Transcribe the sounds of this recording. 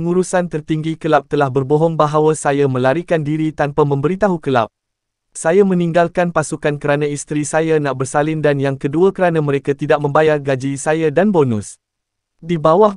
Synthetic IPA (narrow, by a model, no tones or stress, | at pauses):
pəŋuɾusant̪ərt̪iŋɡikəlap̚t̪əlahbərboɦɔŋbaɦawasajamə̃laɾikandiɾit̪anpamə̃mbəɾit̪aɦukəla̰p̚ | sajamə̃nĩŋɡalkanpasukankəɾanãist̪ɾisajanaʔ̚bərsalɪndanjaŋkəduakəɾanãmə̃ɾekat̪idaʔ̚mə̃mbajarɡad͡ʒisajadanbonʊ̃s | dibawah